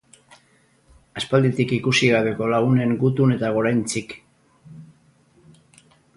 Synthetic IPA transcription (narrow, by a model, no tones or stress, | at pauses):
aspald̪it̪ikikusiɣaβe̞ko̞laɣune̞ŋɡut̪une̞t̪aɣ̞o̞ɾajnt͡sik